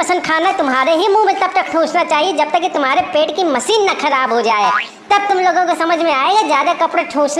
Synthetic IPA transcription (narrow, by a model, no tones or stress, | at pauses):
ɐsə̃nd̪̚kʰaːnat̪ʊmɦaːɾeɦimũːmẽt̪ɐb̚t̪ɐk̚ʈʰuːsnat͡ʃaːɦied͡ʒɐb̚t̪ɐkːit̪ʊmɦaːɾepeːʈkimɐsiːnːaxɐɾaːbɦod͡ʒaːe | t̪ɐb̚t̪ʊmloːɡõkesɐməd͡ʒʱmẽaːeːɡazjaːd̪akɐpɽaʈʰũːsn